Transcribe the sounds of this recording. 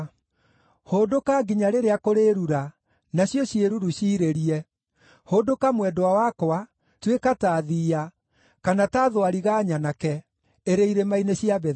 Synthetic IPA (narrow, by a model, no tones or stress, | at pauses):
hoːdokaɡiɲaɾeɾeakoɾeɾuɾa | naɕjɔɕieɾuɾuɕiːɾeɾiɛ | hodokamwɛdowawakoa | twekataːðiːa | kanataðwaɾiɣaɲanakɛ | eɾeiɾemaineɕiaβɛ